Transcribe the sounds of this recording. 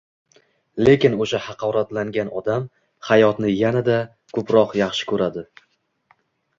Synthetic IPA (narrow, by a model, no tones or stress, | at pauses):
le̞kʲɪnoʃahɑqʰɒɾat̪laŋɡʲanɒd̪am | hajɒt̪nɪjanad̪a | kʰɵpɾɒqjɑχʃɪ̥kʰɵɾad̪ɪ